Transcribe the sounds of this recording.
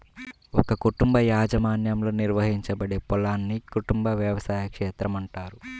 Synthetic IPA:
ɔkɐkuʈumbɐjaːd͡ʒɐmaːnjɐmlo̞ːniɾʋɐɦiɲt͡ʃɐbɐɽe̞ːpɔlaːnːikuʈumbɐʋjɐʋɐsaːjɐkʂɛːt̪ɾɐmɐɳʈaːɾu

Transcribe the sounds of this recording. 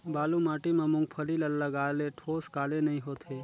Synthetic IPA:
baːlũmaʈimãmũŋɡ̚pʰəliləlːəɡaleʈʰoskalenəɦĩɦot̪ʰe

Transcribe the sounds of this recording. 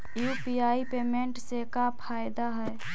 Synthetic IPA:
jupiaipemeɳʈsekapʰajd̪aɦəj

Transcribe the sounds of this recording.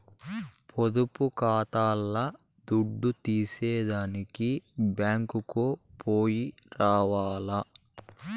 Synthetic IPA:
pʰod̪upukaːt̪aːlːɐ | d̪uɖːut̪iːsɛːd̪aːnikibjaːŋkukoːpʰoːji | ɾaːʋaːlɐ

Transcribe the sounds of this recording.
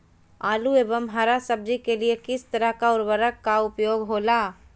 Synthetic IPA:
aːlueːbəmɦaɾasəb̚d͡ʒikeliekɪst̪əɾəɦkaʊɾʋəɾəkːaʊpjoːɡɦoːla

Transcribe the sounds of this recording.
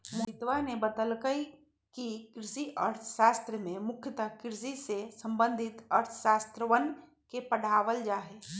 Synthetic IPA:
mʊɪt̪ʋanebəd̪əlkəi | kikɾɪʃiʔəɾt̪ʰə̥ʃaːst̪ɾəmẽmʊkʰjət̪akɾɪsisesə̃mbə̃nd̪ʱɪt̪əɾt̪ʰə̥ʃaːst̪ɾəʋən | kepəɽ̤aːʋəld͡ʒaːɦeː

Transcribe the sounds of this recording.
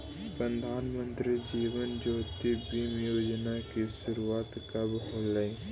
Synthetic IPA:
pɾənd̪ʱaːnmə̃nt̪ɾid͡ʒiːʋənd͡ʒoːt̪ibimjoːd͡ʒnakiʃʊɾuaːt̪kɐbɦolai

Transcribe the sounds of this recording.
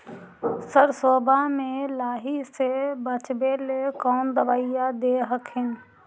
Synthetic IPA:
səɾsoːbʱamẽlaːɦisebət͡ʃbelekɔːnd̪əʋaːijad̪eɦəkɦɪn

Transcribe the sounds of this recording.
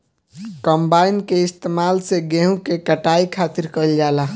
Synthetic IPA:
kəmbainkeɪst̪emalseɡeɦũkekəʈaikʰat̪iɾkəld͡ʒala

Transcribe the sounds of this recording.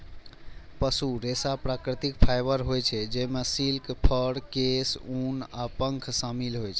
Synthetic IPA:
pəsuɾesapɾakɾit̪ikpʰajbəɾɦojt͡ʃʰɛd͡ʒemesilkpʰəɽkesunapəŋkʰsamilɦojt͡ʃʰɛ

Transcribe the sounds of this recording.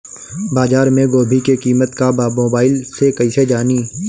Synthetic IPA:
baːzaːɾmẽɡoːbʱikekiːmət̪kabaːmoːbaːɪlsekɐised͡ʒaːniː

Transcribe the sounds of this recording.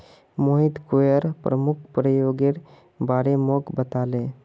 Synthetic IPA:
moːɦɪt̪kojəɾpɾəmʊkʰpɾəjoːɡeɽ | baːɽemokbət̪aːlẽː

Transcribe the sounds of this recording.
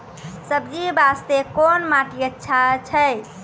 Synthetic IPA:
səbd͡ʒibast̪ekonmaʈiətːʃʰat͡ʃʰəj

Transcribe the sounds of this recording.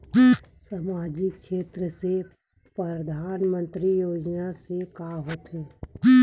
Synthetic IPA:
samaːd͡ʒɪkʃeːt̪ɾəse | pɾəd̪ʱaːnmə̃nt̪ɾijoːd͡ʒnasekaɦoːt̪ɦẽː

